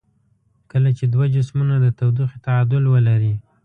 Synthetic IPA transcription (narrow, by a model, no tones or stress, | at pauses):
kəlat͡ʃed̪wad͡ʒɪsmunad̪ət̪awd̪ixit̪aɑd̪ʊlwəlaɾi